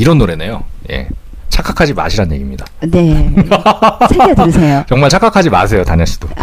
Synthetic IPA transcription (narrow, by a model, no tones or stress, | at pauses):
iɾʌnːoɾe̞nejo̰je̞̰ | t͡ɕʰak͈ʰakʰad͡ʑima̰ɕʰiɾanɲje̞ɡimɲidane | sʰeɡedsʰejot͡ɕʌŋmaɭt͡ɕʰak͈akʰad͡ʑima̰sʰe̞jotaɲaɕ͈ʰi̥d̥o